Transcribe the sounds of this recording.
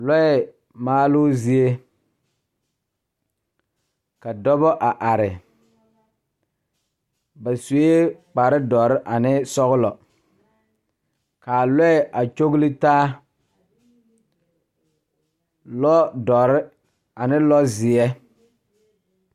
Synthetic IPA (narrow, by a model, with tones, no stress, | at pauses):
lɔ˦ɛ˨ | maː˦lʊ˦zi˦e˦ | ka˨dɔ˦bɔ˦ʔa˨ʔa˨ɾɪ˨ | ba˨su˨˦e˦k͡pa˨ɾɪ˦dɔ˨ɾɪ˦ʔa˨nɪ˦sɔ˦ɣʊ˦lɔ˨ | kaː˨lɛ˦ɛ˨ʔa˨t͡ʃo˦ɣlɪ˦taː˦ | lɔ˦dɔ˨ɾɪ˦ | a˨nɪ˦lɔ˦zɪ˨ɛ˦